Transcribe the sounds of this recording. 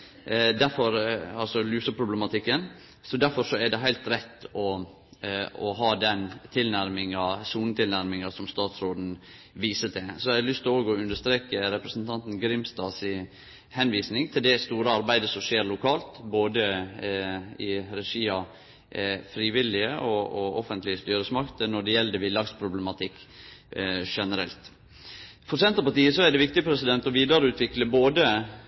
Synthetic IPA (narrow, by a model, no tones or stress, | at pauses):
d̪æɾfɔɾɑlsɔlʉːsəpʰɾʊbləmɑt̪ʰɪkːən | sɔd̪æɾfɔɾʂɔɛɖ̪ɛɦæɪlt̪ɾɛt̪ːɔ | ɔɦɑːd̪ɛnt̪ʰɪlnæɾmɪŋɑsuːnət̪ʰɪlnæɾmɪŋɑsɔmst̪ɑːt̪sɾoːd̪n̩ | ʋiːsət̪ɛsɔæɪlʏst̪oːɡɔʉnd̪əʂt̪ɾeːkəɾɛpɾəsnt̪ʰɑnt̪n̩ɡɾɪmst̪ɑːsɪ | hɛnʋiːsnɪŋt̪ʰɪld̪ɛst̪uːɾəɑɾbæɪd̪əsɔmʂeːɾlʊkʰɑːlt̪boːd̪ə | ɪɾɛʂiːɑ | fɾiːʋɪlɪəʔɔɔɔfənt̪lɪəst̪yːɾəsmɑkt̪ənɔɖɛjɛld̪əʋɪlɑɡspʰɾʊblɛmɑt̪ʰɪkː | ʂɛnəɾɛlt̪ | fɔɾsɛnt̪ɾəpɑʈiːəsɔæɖɛʋɪkt̪ɪəpʰɾɛsɪd̪ɛnt̪ɔʋiːd̪əɾəʉːt̪ʰʋɪkləboːd̪ə